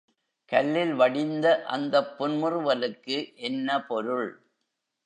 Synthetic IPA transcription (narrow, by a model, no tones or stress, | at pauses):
kɐlːɪlʋɐɽɪnd̪ɐʔɐ̰nd̪ɐpːʊnmɯrɯʋɐlɯkːɯʔɛnːɐpɔɾɯɭ